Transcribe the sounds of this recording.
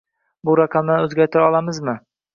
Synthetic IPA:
bʊɾaqʰɑmd̪anɵzɡʲaɾt̪ʰɪɾɒlˠamɪzmɪ

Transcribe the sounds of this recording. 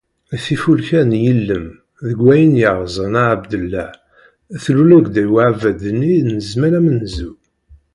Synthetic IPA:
æθifulçænjəlːəm | ðəɡːæjənjəʁzˤənaʕabd̪əlːæ | θlulæɡd̪æjwaʕvæd̪ənːinəzmælæmənzu

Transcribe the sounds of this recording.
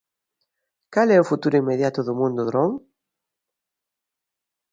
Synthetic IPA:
kalɛʊfut̪uɾʊimeðjat̪ʊðʊmũnd̪ʊðɾɔŋ

